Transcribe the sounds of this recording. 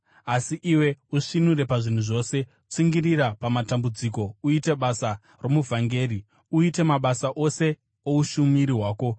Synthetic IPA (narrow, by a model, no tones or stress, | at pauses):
asiʔiwe̞uʂinuɾe̞paʐin̤uʐo̞ːse̞ut͡siŋɡirirapamatambud͡ziko̞uite̞ɓasa | ro̞muvʱaŋɡe̞ːɾi | uite̞maɓasaʔo̞se̞ | ouʃumiɾiɦwaːko̞